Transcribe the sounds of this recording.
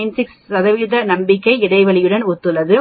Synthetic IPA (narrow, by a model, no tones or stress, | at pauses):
ɪnsɪkstɐðɐʋɪðɐnɐmbɪkːɐɪɪɽɐɪʋɐɭɪjɯɽɐnʊt̪ːɯlɐðɯ